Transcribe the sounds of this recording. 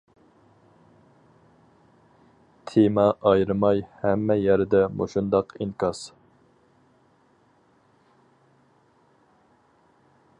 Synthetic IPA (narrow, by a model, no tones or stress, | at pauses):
t̪ʰemɑʔɑjɾɨmɑjhɛmːɛjæɾd̪ɛmʔo̰ʃund̪ɑqʰinkɑs